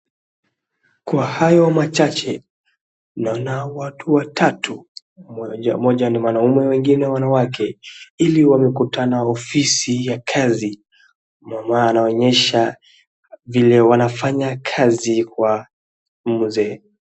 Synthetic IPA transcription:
kwahajɔmat͡ʃat͡ʃɛ | naɔnawatʰuwatʰatʰu | amɔʄaniwanaumɛwɛŋɡinɛwawanawakɛiliwamɛkutʰanaɔfisijakʰazi | mamaːnaɔɲɛʃa | vilɛwanafaɲakʰazikwa | m̩zɛː

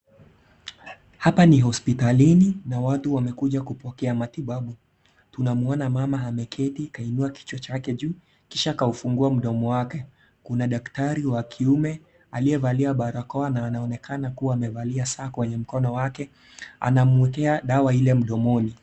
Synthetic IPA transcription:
hapaniɦɔspitalininawatuwamɛkuʄakupɔkɛamatiɓaɓu | tunamuɔnamamaɦamɛkʰɛtikainuaki̥t͡ʃɔt͡ʃakɛʄuː | kiʃaːkaufuŋɡuam̩ɗɔmɔwakɛ | kunaɗaktaɾiwakʰiumɛ | aliɛvaliaɓaɾakɔanaːnaɔnɛkanakuwaːmɛvaliasaːkwɛɲɛm̩kɔnɔwakɛ | a̰namwɛkɛaɗawailɛm̩ɗɔmɔni

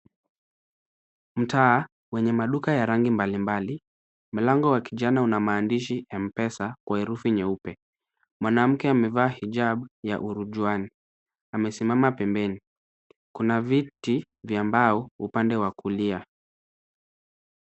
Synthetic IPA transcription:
m̩taː | wɛɲɛmaɗukajaɾaŋɡimbalimbali | m̩laŋɡɔwakiʄanaunamaːndiʃiɛm̩pɛsakwaɛɾufiɲɛupɛ | mwanam̩kɛamɛvaːhiʄaɓja̰ʔuɾuʄuani | amɛsimamapɛmbɛni | kunaviti | vjambaɔupandɛwakulia

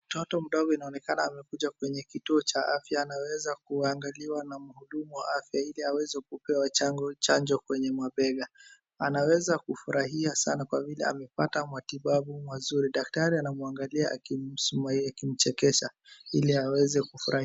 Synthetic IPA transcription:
mm̩tɔtɔm̩ɗɔɡɔinaɔnɛkanaːmɛkuʄakwɛɲɛkituɔt͡ʃaafjaːnawɛzak̚uaŋɡaliwanamuhuɗumuwaafjailiawɛzɛkupɛwaat͡ʃand͡ʒɔkwɛɲɛmwaɓɛɡa | anawɛzakufuɾaɦiasanakwavilɛ̰a̰mɛpatamwatiɓaɓumwazuɾiɗak̚taɾianamuaŋɡaliaʔa̰kisumaakim̩t͡ʃɛkɛʃailiawɛzɛkufuɾah

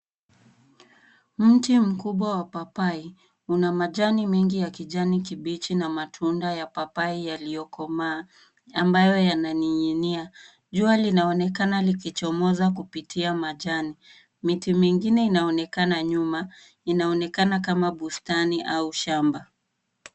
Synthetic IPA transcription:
m̩tim̩kuɓwawapapai | unamaʄanimɛŋɡijakiʄanikiɓit͡ʃinamatʰundajapapaijalijɔkʰɔmaː | ambajɔjananiɲinia | ʄualinaɔnɛkanalikit͡ʃɔmɔzakupitiamaʄani | mitimiŋɡinɛinaɔnɛkanaɲuma | inaɔnɛkanakamaɓustaniʔauʃamba

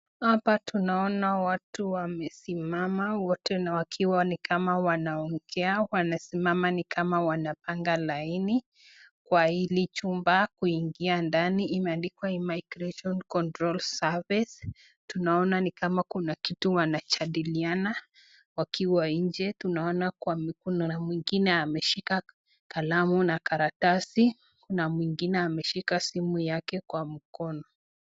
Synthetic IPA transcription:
hapatunaɔnawatuwamɛsimamawɔtɛnawakʰiwanikʰamawanaɔŋɡ̥ɛawanasimamanikʰamawanapaŋɡalaini | kwahilit͡ʃumbakuiŋɡiandaniimɛandikwaimaiɡɾɛʃɔnkɔntɾɔlsavis | tunaɔnanikamakunakituwanat͡ʃaɗiliana | wakʰiwaiɲd͡ʒɛtunaɔnaakunamwiŋɡinɛamɛʃika | kalamunakaɾatasi | kunamwiŋɡinɛamɛʃikasimujakɛkwam̩kɔnɔ

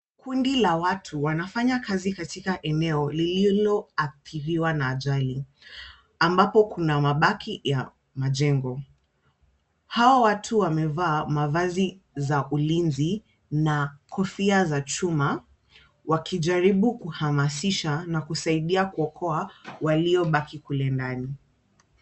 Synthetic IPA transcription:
kʰundilawatʰuwanafaɲakazikatikaʔɛnɛɔlililɔaθiɾiwanaːʄali | ambapɔkunamaɓakʰija | maʄɛŋɡɔ | hawawatʰuwamɛvaːmavazi | zaʔulinzi | nakʰɔfiazat͡ʃuma | wakʰiʄaɾiɓukuhamasiʃanakusaiɗiakuɔkʰɔawaliɔɓakikulɛndani

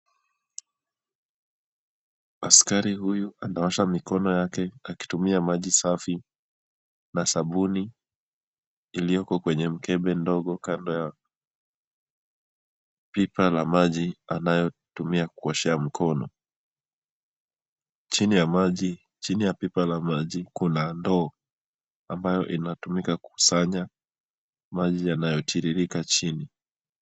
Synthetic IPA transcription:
askaɾihujuʔanawaʃamikɔnɔjakɛaki̥tumiamaʄisafi | nasaɓuni | lijɔkɔkwɛɲɛm̩kɛɓɛndɔɠɔkandɔja | pipalamaʄianajɔtumiaku̥ɔʃɛam̩kʰɔnɔ̰ | t͡ʃinijamaʄi | t͡ʃinijapipalamaʄikunandɔː | ambajɔʔinatumikaku̥usaɲa | maʄijanajɔtʰiɾiɾikat͡ʃini

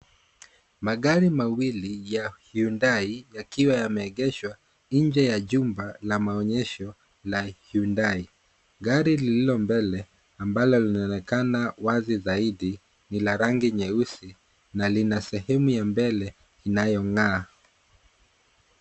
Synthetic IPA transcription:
maɠaɾimawilijahundaijakiwajamɛːɠɛʃwa | nd͡ʒɛjaʄumbalamaɔɲɛʃɔ | lahjundai | ɡaɾilililɔmbɛlɛ | ambalɔlinaɔnɛkanawazizaiɗi | nilaɾaŋɡiɲɛusi | nalinasɛhɛmujambɛlɛ | inajɔŋaː

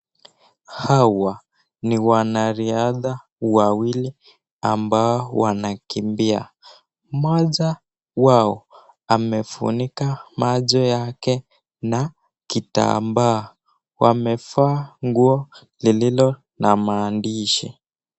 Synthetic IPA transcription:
hawa | niwanaɾiaða | wawili | ambaɔwanakimbia̰ | maʄa | waɔ | amɛfṵnikamaʄɔjakɛ | na | kita̰mbaː | wamɛfaːŋɡuɔ | lililɔ | namaːndiʃi

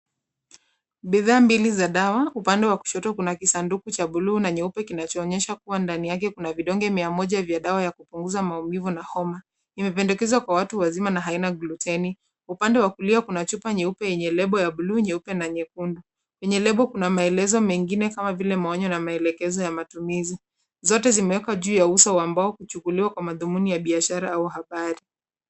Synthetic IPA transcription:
ɓiðaːmbilizaɗawaupandɛwaku̥ʃɔtɔkunakisandukut͡ʃaɓuluːnaɲɛupɛkinat͡ʃɔːɲɛʃakuwandanijakɛkunaviɗɔŋɡɛmiamɔʄavjaɗawajakupuŋɡuzamaumivunahɔma | imɛpɛndɛkɛzwakwawatuwazimanaɦainaɡlutɛni | upandɛwakuliakunat͡ʃupaɲɛupɛjɛɲɛlɛɓɔjaɓuluɲɛupɛnaɲɛkundu | wɛɲɛlɛɓɔkunamaɛlɛzɔmɛŋɡinɛkamavilɛmaɔɲɔnamaɛlɛkɛzɔjamatumizi | zɔtɛzimɛwɛkaʄuːjausawambaɔkut͡ʃukuliwakwamaðumunijaɓiaʃaɾaauɦaɓaɾi

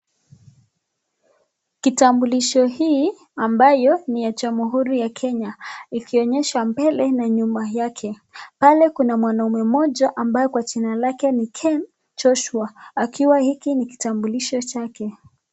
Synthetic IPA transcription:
kitambuliʃɔhiː | ambajɔnijad͡ʒamuɦuɾijakʰɛɲaikiɔɲɛʃambɛlɛnaɲumajakʰɛ | palɛkunamwanaumɛmɔʄaʔambajɔkwat͡ʃinalakɛnikʰɛn | t͡ʃɔʃuaakʰiwahikiniki̥tambuliʃɔt͡ʃakɛ

